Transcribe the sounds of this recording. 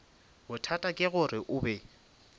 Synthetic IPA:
bʊtʰatʼakʼɪɣʊrɪʔʊːbɛ

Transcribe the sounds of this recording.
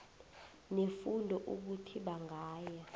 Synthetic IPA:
nefundʱɔʔuk̬utʰiɓaŋʱaːjɛ

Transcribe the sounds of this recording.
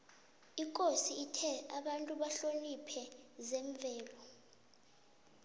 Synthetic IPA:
ikʼosiːtʰɛaɓantʼuɓaɬonipʰɛzɛɱvʱɛːlɔ

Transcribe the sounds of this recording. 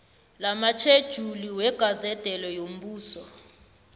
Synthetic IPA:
lamat͡ʃʰed̥ʒ̥ʱuliwɛɡ̥ʱazɛd̥ʱɛlɔjom̩ɓuːsɔ

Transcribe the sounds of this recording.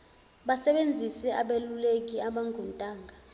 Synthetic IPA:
ɓasɛɓend͡zʱisɛʔaɓelulek̬iaɓaŋɡʱɔntʼaːŋɡʱa

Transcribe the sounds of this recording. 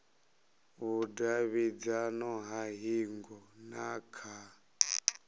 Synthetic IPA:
βudaβid͡zanɔɦaɦiŋɡɔnakʰa

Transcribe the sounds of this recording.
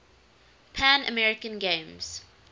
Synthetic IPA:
pʰæ̃nə̰mɛɹɪkə̃nɡẽmz̥

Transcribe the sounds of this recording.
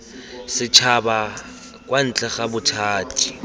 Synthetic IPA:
sɪt͡ʃʰaba | kʼwan̩t͡ɬʼɛχabʊtʰaːtʰʼi̥

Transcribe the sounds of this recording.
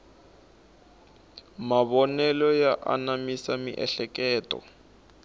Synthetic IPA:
maβɔnɛlɔjaʔa̰namisamiʔɛɬɛkɛːtʼɔ̰

